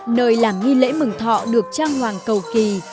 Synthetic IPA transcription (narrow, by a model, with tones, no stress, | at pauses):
nəː˨˩jlaː˨˩mŋi˧lḛ˧˥mɨ˨˩ŋt̪ʰɔ̰˧˨ɗɨ˨˩ək̚t͡ɕaː˧ŋwaː˨˩ŋkə˨˩wki˨˩